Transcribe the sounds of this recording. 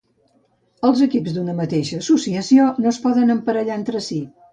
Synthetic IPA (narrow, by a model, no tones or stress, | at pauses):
əlˠzəkipzd̪unəmət̪eʃəːsusiəsionoəspɔðənəmpəɾəʎaent̪ɾəsi